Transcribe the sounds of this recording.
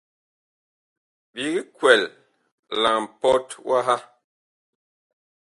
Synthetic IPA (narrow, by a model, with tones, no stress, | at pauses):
bi˨ɣi˦kwɛ˨l | la˨m̩˨pɔ˦twa˦ɦa˦